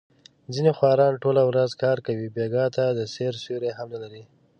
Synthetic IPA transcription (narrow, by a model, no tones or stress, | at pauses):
zinexwɑɾɑnʈolawɾazkɑɾkawibeɡɑt̪ad̪əseɾsuɾeɦamnalaɾi